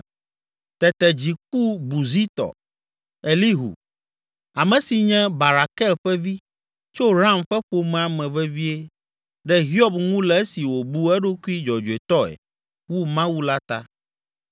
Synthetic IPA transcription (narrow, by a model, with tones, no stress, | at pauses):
t̪ɛ˨t̪ɛ˨d͡ʑi˨k̚u˦bu˨zi˦t̪ɔ̰˨ | e˨li˦ɦṵ˨ | a˨mɛ̃˨si˨ɲɛ̃˦ba˨ɾa˨kɛ˦lɸɛ˦vi˦ | t͡ʃo˦ɾã˦mɸɛ˦ɸo˦mɛ̃˦a˨mɛ̃˨vɛ˦vi˦e˦ | ɖɛ˦ɦi˦ɔ˦bŋũ˦lɛ˨˦e˦si˨wo˨bu˦ɛ˦ɖo˦ku˦i˦d͡ʒɔ˨d͡ʒu˨e˨t̪ɔ˦ɛ̰˨ | wu˦mã˦wu˦la˦t̪a̰˦